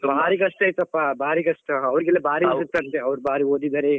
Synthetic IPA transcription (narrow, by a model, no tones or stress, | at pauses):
sobaːɾiɡɐsʈ̪aːjt̪uɐpːabʱaːɾiɡɐsʈ̪ɐɐʋɾiɡelːɐbaːɾisut̪ːɐnt̪ːeɐʋɐɾbaːɾiɦoːd̪id̪aːɾe